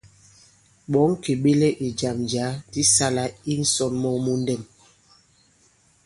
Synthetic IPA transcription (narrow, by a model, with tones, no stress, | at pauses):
ɓɔ˨˦ŋ˦ke˨ɓe˦le˦ʔi˨d͡ʒa˨md͡ʒa˨˦ti˦sa˦la˦i˦n̩˦sɔ˦˨nmɔ˦mu˦n˦dɛ˨m